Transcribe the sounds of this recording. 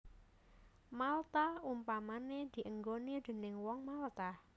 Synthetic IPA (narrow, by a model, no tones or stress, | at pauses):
malt̪aumpamaned̪̥i̤ʔəŋɡonid̪̥e̤nɪŋwɔŋmalt̪a